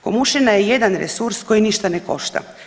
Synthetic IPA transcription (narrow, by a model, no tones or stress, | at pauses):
komuʃinajeje̞d̪anɾesuɾsko̞jiniʃt̪aneko̞̰ʃt̪a̰